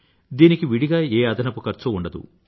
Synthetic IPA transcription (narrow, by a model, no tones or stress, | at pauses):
d̪iːnikiʋiɽiɡaːeːɐd̪ɐnɐpukɐɾt͡ʃuuɳɖɐd̪ṵ